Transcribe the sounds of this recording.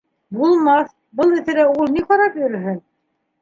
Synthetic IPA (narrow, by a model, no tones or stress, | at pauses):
bulˠmɑθ | bɤlˠɘ̆θɘ̆ɾæulˠniqɑɾɑpjɵ̆ɾɘ̆ɦɵn